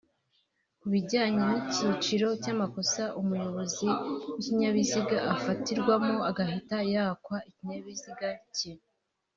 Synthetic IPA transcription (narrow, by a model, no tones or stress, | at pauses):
kuβiɟaːɲemocit͡ʃiɾo̞caːmako̞saʔumujo̞βo̞ziwiciɲaβiziɡaʔafatiɾɡwamo̞aɡaɦitajaːkwaiciɲaβiziɡaci